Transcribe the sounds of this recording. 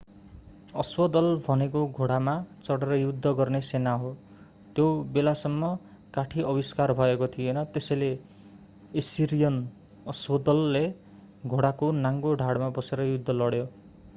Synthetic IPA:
ʌswʌd̪ʌlbʱʌnekoɡʱoɽamat͡sʌɽeɾʌjud̪ʱːʌɡʌrnesenaɦo | t̪jobelasʌmːʌ | kaʈʰiʔʌbiskarbʱʌekot̪ʰijenʌt̪esʌjle | esiɾijʌn | ʌswʌd̪ʌlːe | ɡʱoɽakonaŋɡoɖʱaɽmabʌseɾʌjud̪ʱːʌlʌɽjo

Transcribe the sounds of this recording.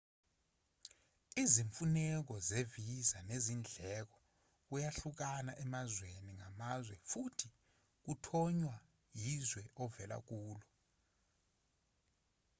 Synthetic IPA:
iziɱfunɛk̬ɔzevizanezind͡ɮʱɛk̬ɔ̥ | ujaɬuk̬anaʔɛmazweniŋamazwɛfutʰi | k̬utʰɔɲwa | jizwɛʔɔvɛla̰k̬uːlɔ

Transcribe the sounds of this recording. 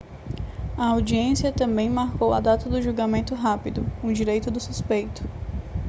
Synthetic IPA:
ɐawd͡ʒiẽsiɐt̪ɐ̃mbẽj̃maɾkowɐ̰d̪at̪ɐd̪ʊʒuɡamẽnt̪ʊɦapid̪ʊũd͡ʒiɾejt̪ʊd̪ʊsuspejt̪ʊ̥

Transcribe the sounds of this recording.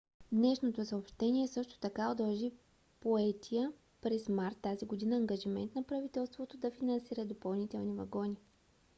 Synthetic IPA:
d̪nɛʃnot̪osɐopʃt̪ɛniɛsɤʃt̪o̥t̪ɐkaod̪ɐlˠʒi | poɛt̪ʰijə | pɾɛsmaɾt̪ːaziɡod̪inəːŋɡɐʒimɛ̰nt̪nɐpɾɐvit̪ɛlˠst̪vot̪od̪ɐfinɐnsiɾəd̪opɐlˠnit̪ɛlˠnivɐ̰ɡɔni

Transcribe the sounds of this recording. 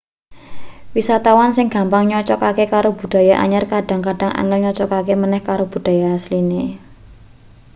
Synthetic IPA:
wisat̪awansɪŋɡ̥a̤mpaŋɲɔt͡ʃɔkakekaɾob̥ṳɖ̥ä̤jaʔa̰ɲarkaɖ̥a̤ŋkaɖ̥a̤ŋʔa̰ŋɪlɲɔt͡ʃɔkakemənɛhkaɾob̥ṳd̥ä̤jaːsline

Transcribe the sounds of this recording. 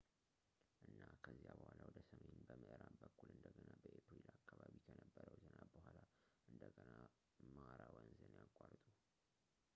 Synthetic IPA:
ʔɨnːakʰəzijabəhalawɔd̪əsəmenbəmɨʔɨɾabəkʰːulɨnd̪əɡənabəʔepɾilakʰːaβaβikʰənəbːəɾəwzənabəhalaʔɨnd̪əɡəna | mɾawɔnzənjakʼːart̪ʼu

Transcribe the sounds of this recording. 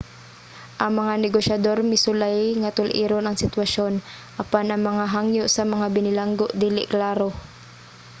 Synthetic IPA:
ʔɐŋmɐŋanɛɡoʃjɐd̪o̞ɾmɪsʊlajŋɐt̪ʊlʔiːɾonʔɐŋsɪt̪wɐʃo̞n | ʔɐpanʔɐŋmɐŋaɦaŋjʊʔsɐmɐŋabɪnɪlaŋɡoʔd̪iːlɪʔklaːɾo

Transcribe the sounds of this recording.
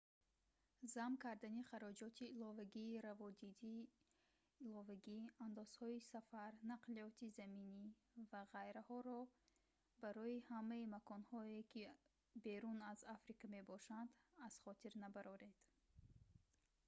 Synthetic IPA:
zamkaɾd̪aniχaɾɔd͡ʒɔt̪ʰiːlɔvaɡiːɾavɔd̪id̪iː | lɔvaɡiand̪ɔz̥hɔisafaɾnaqliɔt̪ʰizamini | vaʁajɾahɔɾɔ | baɾɔihamaimakʰɔnhɔekʰi | be̞ɾunazafɾikʰame̞bɔʃand̪az̥χɔt̪ʰiɾnabaɾɔɾe̞d̪̥

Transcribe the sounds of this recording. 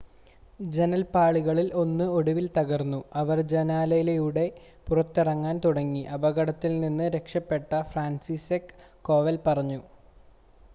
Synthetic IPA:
d͡ʑenɐlpaːɭiɣɐɭilo̞nːɨo̞ɽuʋilt̪ɐɣɐrnːuɐʋɐrd͡ʑenaːlɐjilejuɽe̞ | purɐt̪ːirɐŋːaːnt̪uɽɐŋːiʔɐbɐɣɐɽɐt̪ːilninːɨɾe̞kʂɐpːe̞ʈːɐfraːnsisekː | o̞ːʋɐlpɐrɐɲːu

